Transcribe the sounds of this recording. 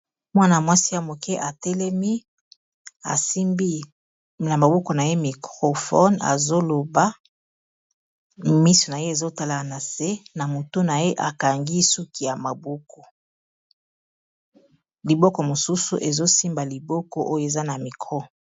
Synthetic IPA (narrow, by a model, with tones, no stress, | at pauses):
mwa˦na˨mwa˦si˦ja˨mo˨kɛ˦ʔa˨tɛ˦lɛ˦mi˦ | a̰˨si˦mbi˦ | na˨ma˨bo˦kɔ˨na˨je˦mi˨kʁo˨fɔ̰˦na̰˨zo˦lo˨ba˦ | mi˦so˨na˨je˦e˨zo˦ta˦la˨na˨se˦na˨mo˨to˦na˨je˦ʔa˨ka˨ŋɡi˦su˦ki˨ja˨ma˨bo˦kɔ˨ | li˨bɔ˦kɔ˨mo˨su˦sṵ˨ʔe˨zo˦si˦mba˨li˨bɔ˦kɔ˦ʔo˦jo˨e˨za˦na˨mi˨kʁɔ˦